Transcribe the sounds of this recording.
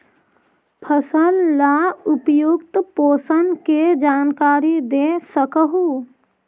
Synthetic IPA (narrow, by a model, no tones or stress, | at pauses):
pʰəsəlːaʊpjʊɡt̪poːsənked͡ʒaːnkaːɾid̪eːsəkəɦu